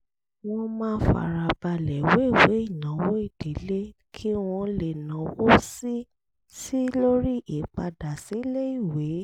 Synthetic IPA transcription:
w̃ɔ̃˧mãː˦fa̰˨ɾa˨ba˧lɛ˨we˨˦˨we˨˦i˦˨nã˨˦wo˦i˦˨d̥e˨˦le˦ | kʰi˦w̃ɔ̃˧le˨nã˨˦wo˦si˦ | si˦lo˦ɾi˦ʔi˨k͡pa˧da˨si˨˦le˦i˦˨we˨˦

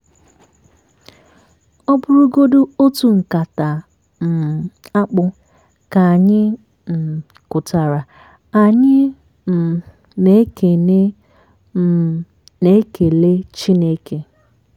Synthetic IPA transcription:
ɔ˦bʊ˦ɾʊ˦ɡo˦du˦o˦tu˨ŋ̩˨ka˨ta˨ | m̩˨a˦k͡pʊ˦ | ka˨a˨ɲɪ˦ | m̩˨ | kʊ˨ta˨ɾa˨ | a˨ɲɪ˦ | m̩˨ | ne˦ke˨ne˦ | m̩˦ | ne˦ke˨le˦t͡ʃi˦ne˦ke˦

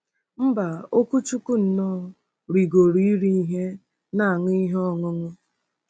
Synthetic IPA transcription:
m̩˦ba˨o˦ku˦t͡ʃu˦ku˦n̩˨nɔ˦˨˦ | ɾi˨ɡo˨ɾi˦i˦ɾi˦i˦ɦe˦ | na˦˨a˨ŋʊ˦i˦ɦɔ˦ŋʊ˦ŋʊ˦

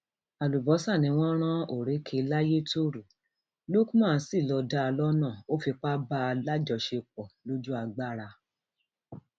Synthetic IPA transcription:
a˨lu˨bɔ˨˦sa˦˨nĩ˨˦w̃ɔ̃˦ɾ̃ã˦o˦˨ɾe˨˦kʰe˧˦la˦je˦to˦ɾu˨ | lu˦ku˦mã˦˨˦si˦˨lɔ˧da˦˧lɔ˦nãː˦˨o˦fi˧k͡pa˦ba˦˧la˦d͡ʒɔ˧ʃe˧k͡pɔ˨lo˦d͡ʒu˦a˧ɡ͡ba˦˨ɾa˧

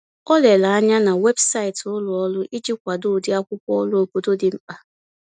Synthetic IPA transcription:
ɔ˦le˨la˨a˦ɲa˦na˨we˦bsa˦ɪ˨tʊ˦lʊ˨ɔ˦lʊ˦ʔi˦d͡ʒi˦kʷa˨dʊ˦˨dɪ˦a˦kʷʊ˦kʷɔ˦lʊ˦o˨bo˨do˦dɪ˨m̩˦k͡pa˨

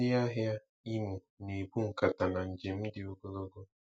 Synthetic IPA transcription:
ɪ˦ja˦ɦja˦ | i˦mu˨ | ne˨bu˦ŋ̩˨ka˨ta˨na˨n̩˨d͡ʒɪ˨m̩˦dɪ˨o˦ɡo˦lo˦ɡo˦

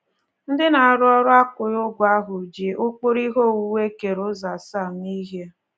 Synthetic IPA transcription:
n̩˦dɪ˦na˨a˨ɾʊ˦ɔ˦ɾʊ˦a˦kʊ˨ɾʊ˦ɡʷa˦ɦʊ˨d͡ʒi˨ʔʊ˦k͡pʊ˦ɾi˦ɦo˦˨wu˦we˦ke˨ɾʊ˦za˨sa˦˨m̩˦ni˦ɦe˦

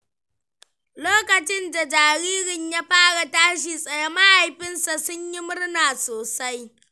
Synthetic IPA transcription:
loː˦kɐ˨t͡ʃɪ˦nda˨d͡ʒaː˨ɽiː˦ɾɪ˨ɲja˦ɸaː˦ɽa˨taː˦ʃ̬iː˨sʼɐ˨ja˦ma˦ha˨jɸɪ˦nsa˨sʊ˦ɲji˦mʊ˦ɽnaː˨soː˨sa˦j

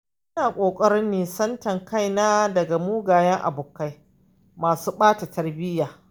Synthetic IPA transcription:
ʔɪ˦naː˨kʷʼoː˨kʼɐ˦ɽɪ˦nːiː˨sɐ˦ntɐ˨ŋka˦jnaː˦dɐ˨ɡa˨muː˦ɡaː˨jɛ˦ŋʔa̰˨bʊː˨kːa˦j | maː˨suː˦ɓaː˦ta˨tʰɐ˦rbɪ˦jaː˨

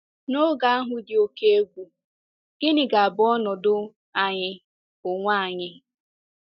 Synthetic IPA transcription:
no˦ɡa˦a˦ɦʊ˨dɪ˨o˦ke˦e˦ɡʷu˨ | ɡ̥ɪ˦nɪ˨ɡa˨a˨bʊ˨ɔ˦nɔ˨dʊ˦ | a˨ɲɪ˦ | ʊ˨ŋʷa˦a˨ɲɪ˦

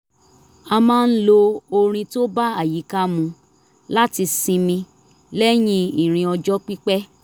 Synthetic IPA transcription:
a˧mãː˦˧n̩˦lo˧o˧ɾ̃ĩ˧to˦ba˦a˦˨ji˨˦ka˦mũ˧ | la˦ti˧sĩ˧mĩ˧ | lɛ˦j̃ĩ˧i˨ɾ̃ĩ˧ɔ˧d͡ʒɔ˦k͡pi˦k͡pɛ˦

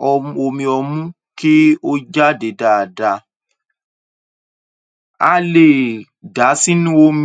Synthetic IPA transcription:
ɔ˧o˧mĩ˧ɔ˧mũ˦ | ki˦o˦d͡ʒa˦de˨˦da˨da˧ | a̰˧˦le˨ | da˨˦si˦nũ˦o˦m˦

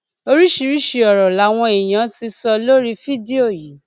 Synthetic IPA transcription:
o˦ɾi˦ʃi˧ɾi˦ʃi˨˧ɔ˨ɾɔ˨la˨˦w̃ɔ̃˧e˨j̃ã˨˦ti˧sɔ˧lo˦ɾi˦fi˦di˦o˦˨ji˨˦

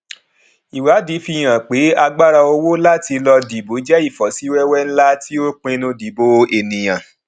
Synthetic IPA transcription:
i˨wa˨˦di˨˦fi˧˦˨j̃ã˨k͡pe˨˦a˧ɡ͡ba˦ɾa˧o˧wo˦la˦ti˧lɔ˧di˨bo˨˦d͡ʒɛ˦i˦˨fɔ˨si˨˦wɛ˦wɛ˦n̩˦la˦ti˦o˦k͡pẽ˧nũ˧di˨˦bo˧e˨nĩ˨j̃ã˨

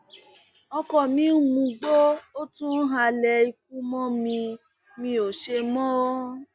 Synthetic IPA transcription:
ɔ˧kɔ˨mĩ˦u˦mũ˧ɡ͡bo˦o˦tũ˦ɦa˧lɛ˧i˧k̚ũ˦mɔ̃˦mĩ˧ | mĩ˧o˨ʃe˧mɔ̃˦ɔ˦

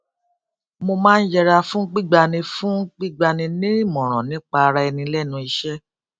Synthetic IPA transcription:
mo˧mãː˦n̩˦d͡ʒɛ˧ɾa˧fũ˦ɡ͡bi˦ɡ͡ba˧nĩ˧fũ˦ɡ͡bi˦ɡ͡ba˧nĩ˧nĩ˦ɾĩ˦˨mɔ̃˨ɾ̃ɔ̰̃˨nĩ˦k͡pa˧ɾa˦ɛ˧nĩ˧lɛ˦˨nũ˧i˧ʃɛ˦

